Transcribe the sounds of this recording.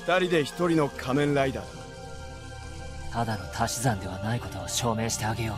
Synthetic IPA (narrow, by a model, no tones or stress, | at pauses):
ɸɯ̥t̪aɾʲid̪e̞çi̥t̪o̞ɾʲino̞kʰamẽ̞ñɾaid̪aɾ | t̪ad̪ano̞t̪ʰaɕizãnd̪e̞β̞anaiko̞t̪o̞βaɕo̞ːmẽ̞ɕi̥t̪e̞aɡe̞joː